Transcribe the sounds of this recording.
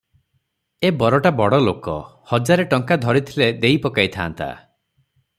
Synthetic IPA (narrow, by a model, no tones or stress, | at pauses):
ebɔɾɔʈabɔɽɔlokɔ̰hɔd͡ʒaɾeʈɔŋkad̪ʱɔɾit̪ʰiled̪ejpɔkajt̪ʰa̰ːnt̪a̰